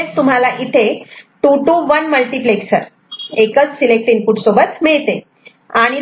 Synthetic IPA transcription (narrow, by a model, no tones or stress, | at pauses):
t͡st̪um̤alaʔit̪ʰeʈuʈuʋənməlʈipleksəɾ | ekət͡ssilek̚ʈiːnkuʈsobət̪miɭt̪e | aɽ̃i